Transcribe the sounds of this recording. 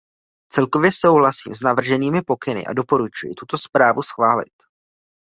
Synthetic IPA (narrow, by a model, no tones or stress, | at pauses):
t͡sɛlko̞vjɛso̞wɦlasḭːmznavr̩ʒɛniːmɪpo̞kɪnɪ̰ʔa̰do̞po̞ɾut͡ʃujɪ̰t̪ut̪o̞spɾaːvusxvaːlɪ̰t̪